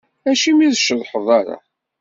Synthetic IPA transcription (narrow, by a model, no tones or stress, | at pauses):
æʃimiðəʃəðˤħəðˤɑɾˤɑ̰